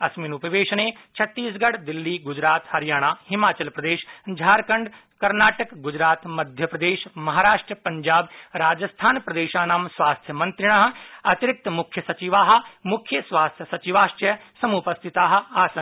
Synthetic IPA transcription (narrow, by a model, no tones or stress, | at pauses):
ɐsmiːnʊpɐʋeːʃɐneːt͡ʃʰɐt̪ːiːsɡɐɽd̪ɪlːiːɡʊd͡ʒɾaːt̪hɐɾjaːɽ̃aːhɪmaːt͡ʃɐlpɾɐd̪eːʃd͡ʒʱaːɾkɐɳɖ | kɐɾnaːʈɐkɡʊd͡ʒɾaːt̪mɐd̪ʱjɐpɾɐd̪eːʃmɐɦaːɾaːʂʈɾəpɐ̃ɲd͡ʒaːbɾaːd͡ʒɐst̪ʰaːnpɾɐd̪eːʃaːnaːmsʋaːst̪ʰjəmɐ̃nt̪ɾɪɽ̃aːɦ̆ɐt̪ɪɾɪk̚t̪mʊkʰjɐsɐt͡ʃiʋaːɦ̆mʊkʰjəsʋaːst̪ʰjəsɐt͡ʃiʋaːʃʈɾjəsɐmupɐst̪ʰɪt̪aːɦ̆aːsɐ